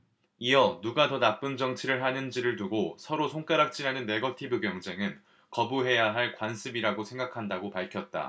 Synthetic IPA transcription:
iʌnuɡatʌnap͈ɯnd͡ʑʌŋt͡ɕʰiɾɯɭɦanɯnd͡ʑiɾɯɭtuɡosʰʌɾosʰoŋk͈aɾak̚t͡ɕ͈iɾanɯnːe̞ɡʌtʰibɯɡjʌŋd͡ʑe̞ŋɯn | kʌbuɦe̞jaɦaɭkwansʰɯbiɾaɡosʰe̞ŋɡakʰandaɡopaɭkʰjʌt̚t͈a̰

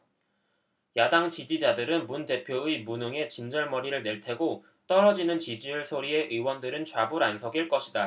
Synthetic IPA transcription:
jadaŋt͡ɕid͡ʑid͡ʑadɯɾɯnmunte̞pʰjoɯimunɯŋe̞t͡ɕind͡ʑʌɭmʌɾiɾɯɭne̞ɭtʰe̞ɡo | t͈ʌɾʌd͡ʑinɯnt͡ɕid͡ʑiɯɭsʰoɾie̞ʔɯwʌndɯɾɯnt͡ɕwabuɾansʰʌɡiɭk͈ʌɕʰida

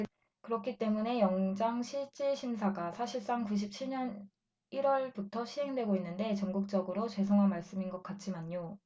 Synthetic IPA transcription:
kɯɾʌkʰit͈e̞mune̞jʌŋd͡ʑaŋɕʰiɭt͡ɕ͈iɕʰimsʰaɡasʰaɕʰiɭs͈aŋkuɕ̬ʰip̚t͡ɕʰiɭɲʌn | iɾwʌɭbutʰʌɕʰiɦe̞ŋdwe̞ɡoinːɯnde̞t͡ɕʌŋɡuk̚t͡ɕ͈ʌɡɯɾot͡ɕwe̞sʰoŋɦanmaɭs͈ɯminɡʌk̚k͈at̚t͡ɕ͈imaɲɲo

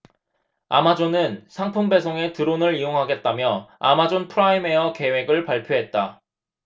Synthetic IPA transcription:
a̰mad͡ʑonɯnsʰaŋpʰuŋbe̞sʰoŋe̞tɯɾonɯɾijoŋɦaɡe̞t̚t͈amjʌa̰mad͡ʑonpʰɯɾaime̞jʌke̞we̞ɡɯɭpaɭpʰjoɦe̞t̚t͈a

